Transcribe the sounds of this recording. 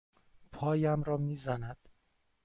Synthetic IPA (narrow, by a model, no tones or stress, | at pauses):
pʰɒːjæmɾɒːmiːzænæd̪̥